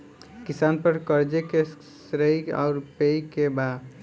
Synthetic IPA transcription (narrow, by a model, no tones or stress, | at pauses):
kisanpəɾkəɾd͡ʒeke | sɾəjɡa̰ʊɾpejkeba